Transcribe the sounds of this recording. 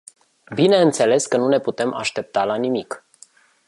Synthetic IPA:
bine̞ɨnt̪se̞le̞skənune̞put̪e̞mʔa̰ʃt̪e̞p̚t̪alanimik

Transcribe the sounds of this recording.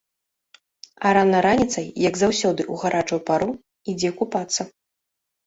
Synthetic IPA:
ɐɾanːɐɾanʲit̪sɐjjɐɡzawsʲɔd̪ɨʔuɣaɾʔat͡ʂɐwpaɾu | id͡zʲɛkupat̪sːɐ

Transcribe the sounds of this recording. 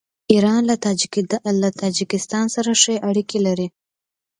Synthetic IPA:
iɾɑnlaɑlat̪ʰɑd͡ʒɪkɪst̪ɑnsaɾaʂəeʔaɽikelaɾi

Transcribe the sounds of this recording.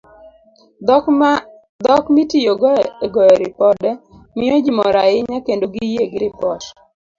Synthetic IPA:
d̪ɔkmitijoɡɡɔɛɾɪpɔdɛ | mɪɔd͡ʒimɔɾaɪɲakendoɡijeɡɾɪpɔt

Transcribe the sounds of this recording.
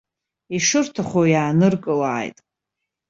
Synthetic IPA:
iʂɨrtʰaχʷojaːnɨrkʼɨlaːjtʼ

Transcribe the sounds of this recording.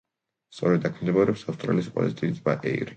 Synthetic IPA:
st̪sʼɔɾɛd̪ːakʰmɛnd̪ɛbaɾɛpsafst̪ʼɾa̰lispʼɔ̰zit̪ʼiit̪sbaʔɛ̰jɾi

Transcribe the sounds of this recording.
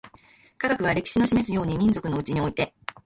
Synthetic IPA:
kaɡakɯ̟βaɾe̞kʲi̥ɕino̞ɕime̞sɨjo̞ːɲ̟imʲĩnd͡zo̞kɯ̟no̞ɯ̟t͡ɕiɲ̟io̞it̪e̞

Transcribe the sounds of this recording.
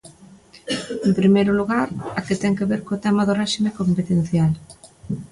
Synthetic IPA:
empɾimejɾʊluɣaɾaket̪ɛŋkeβeɾkoːt̪ɛmaðoreʃimekompet̪en̟θjal

